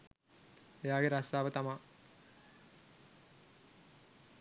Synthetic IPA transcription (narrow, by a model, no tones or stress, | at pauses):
ejaːɡeɾasaːʋət̪ama